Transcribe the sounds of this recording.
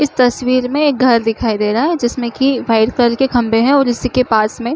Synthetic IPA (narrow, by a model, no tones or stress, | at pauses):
ɪst̪ɐswiːɾmẽeːk̚ɡʱɐɾd̪ɪkʰaːid̪eːɾɐaɦɛd͡ʒɪsmẽkiʋaːɪɖkɐɾkekʰɐ̃mbeɦɛ̃ɔːɾɪsikepaːsmẽ